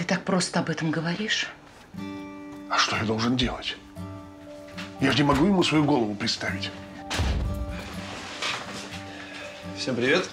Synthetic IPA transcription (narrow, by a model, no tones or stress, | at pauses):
t̪ɨt̪ak̚pɾo̞st̪əɐbɛt̪əmɡəvɐɾʲiʂ | ɐʂt̪o̞jad̪o̞lˠʐɨndʲe̞̰lˠətʲ | jaʐɨnʲɪmɐɡujɪmusvɐjuɡo̞lˠəvʊpɾʲɪt̪st̪avʲɪtʲ | fsʲempɾʲɪvʲet̪